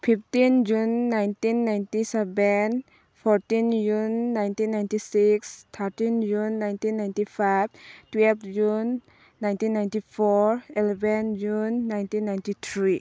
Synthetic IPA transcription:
pʰipʰtind͡ʒunːajntinːajntisɛbɛn | pʰɔɾtind͡ʒunːajntinːajntisikst̪ʰaɾtind͡ʒunːajntinːajntipʰabtwɛlpʰd͡ʒunː | ajntinːajntipʰɔɾelɛbɛnd͡ʒunːajntinːajntit̪ʰɾi

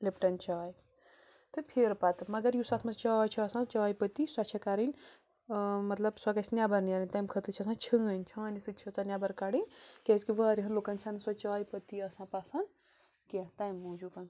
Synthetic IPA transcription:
lipʈɐnt͡ʃɔj | t̪ɨpʰeɾpat̪ɨmɐɡɐɾjusat̪ʰmɐt͡st͡ʃɔt͡ʃʰiːsãt͡ʃɔːjpət̪iswat͡ʃʰɐkaɾinʲ | mɐt̪lɐbswɐɡɐsʲnjabɐɾniaɾɐnʲt̪ajmkʰɐt̪ɨt͡ʃʰiɐsãt͡ʃʰəɐnt͡ʃʰɐ̃nɐsɨt͡ʃʰɐt͡sanjabɐɾkaɽinʲkɛskiʋɐɐɾiɦɐnlokant͡ʃʰanɨswɐt͡ʃɔːjpət̪iɐsãpasan | ket̪aːjmːud͡ʒukan

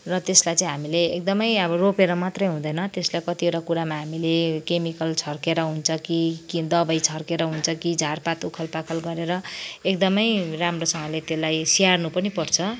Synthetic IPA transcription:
rʌt̪eslajt͡saĩɦamileːk̚d̪ʌmʌjʌβʌropeɾʌmat̪rʌjɦũd̪ʌjnʌt̪eslajkʌt̪ioʈakuɾamaɦamilekemikʌlt͡sʰʌrkeɾʌɦunt͡sʰʌkikid̪ʌbʌjt͡sʰʌrkeɾʌɦunt͡sʰʌkid͡zʱarpat̪ukʰʌlpakʰʌlɡʌɾeɾʌek̚d̪ʌmʌjramrosʌŋɡʌlet̪elajsiarnupʌnipʌrt͡sʰʌ

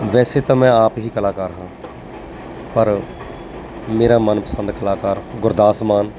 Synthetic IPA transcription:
ʋɛːseːt̪ãːmɛ̃ːaːpɦiːkəlaːkaːɾɦãː | pəɾ | meːɾaːmənpəsənd̪kəlaːkaːɾɡʊɾd̪aːsmaːn

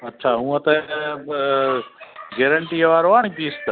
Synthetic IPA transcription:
ɐtːʃʰaːɦũːət̪ɛ | ɡeːɾəɳʈiːəʋaːɾoaːɳ̃iːpiːst̪ə

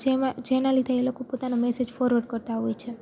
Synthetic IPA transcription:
d͡ʒead͡ʒenalid̪ʱeelokopot̪anomɛsed͡ʒfɔɾʋəɾɖkəɾt̪aɦɔjt͡ʃʰe

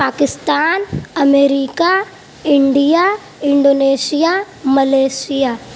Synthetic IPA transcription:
paːkɪst̪aːnɐmeːɾiːka | ɪɳɖija | ɪ̃ɳɖoːneːsija | mɐleːsijaː

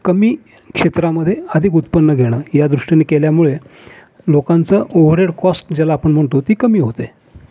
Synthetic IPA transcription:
kəmiː | kʂet̪ɾaməd̪ʱːjeəd̪ʱikut̪pənːəɡʱeɽ̃əːjad̪ɾuʂʈjanekeljamuɭe | lokãnt͡səʔoʋɾeɽkɔsʈd͡ʑalaːpəɳm̤əɳt̪ot̪iːkəmiːɦot̪e

